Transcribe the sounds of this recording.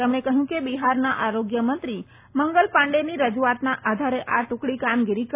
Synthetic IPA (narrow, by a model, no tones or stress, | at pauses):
emɳ̃ekəɦjũkebiɦaɾnaʔaɾoɡjəmənt̪ɾi | məŋɡəlpãɳɖeniɾəd͡ʒuat̪naʔad̪ʱaɾeʔaʈʊ̃kɽikamɡiɾik